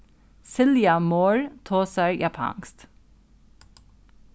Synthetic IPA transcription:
sɪljɑmoːɹt̪ʰoːsəɹjʔɑpʰɑ̰ŋst̪

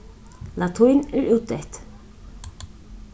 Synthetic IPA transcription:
lat̪ʰujnɛɹʔɪwt̪ɛht̪

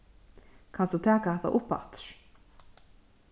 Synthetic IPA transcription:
kʰanst̪ut̪ʰɛːkaðɛht̪a̰ʔʊpa̰t̪ɾ̥

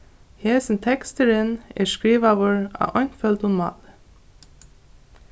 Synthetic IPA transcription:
heːsn̩t̪ʰɛkst̪əɾənḛːskɹiːʋɑːʋəɹɑ̰ːʔɔnfœlt̪ʊnmɑ̰ːl

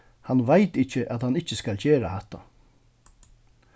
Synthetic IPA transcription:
hanʋaɪt̪ɪçəʔat̪hanɪt͡ʃːəskalçeːɾa̰hɛt̪ːa̰

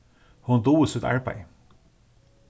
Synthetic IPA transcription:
hʊnd̪uːsʉt̪ɑ̰ɹbæ̰ɪ

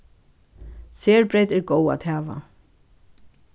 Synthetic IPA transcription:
seːɹbɾejt̪ɛɹɡoːwa̰ːt̪hɛːʋa̰

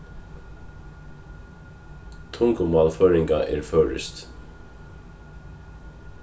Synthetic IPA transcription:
t̪ʰʊŋkəmɑːlfœːɹɪŋkaʔɛ̰ːɹfœːɹɪ̰st̪

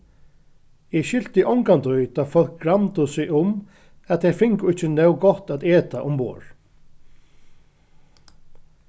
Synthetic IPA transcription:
ɛɕʏl̥t̪ɪʔɔwŋkant̪ʊjt̪ʰaːfɔl̥k̚ɡɹamt̪ʊsɪɣʊm | ɛðt̪θɛɾfɪŋkʊɪht͡ɕːɪnœwɡɔht̪at̪ɛːt̪aʔʊmpo̰ːɹ̥

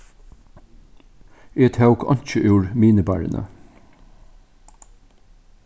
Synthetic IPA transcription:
eːt̪ʰɑʉkʰɑ̰nc͡çəʔjuːɹmiːnəbæ̰ːɹə̰nʔə̰

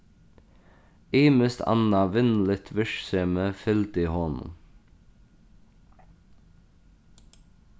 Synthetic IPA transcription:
iːməst̪ʰɑ̰nɑʋɪnlɪt̪ʰʋɪʃseːməfɛlt̪ɪhɔn

